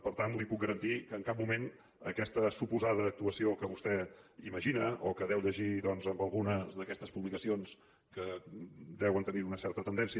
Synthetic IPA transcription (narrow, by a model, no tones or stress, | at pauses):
pəɾt̪anlipuk̚ɡəɾənt̪ikəːŋkap̚mumen | əkɛst̪əsupuzað̞əːk̚t̪uəsiokəβust̪ɛiməʒinəʔokəðɛwʎəʒiðɔnzəmbəlˠɣunəzðəkɛst̪əspuβlikəsions | kəd̪ɛwənt̪əniunəsɛɾt̪ət̪ənd̪ɛnsiə